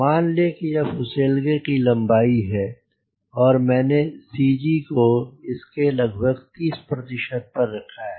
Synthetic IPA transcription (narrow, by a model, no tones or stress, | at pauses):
maːnlekijafʊseːlɡekilɐ̃mbaːiɦɛː | ɔːɾmɛ̃ːnesiːd͡ʒikoɪskelɐɡʱbʱəɡt̪iːspɾɐt̪ɪʃəd̪̚pɐɾːɐkʰaɦɛ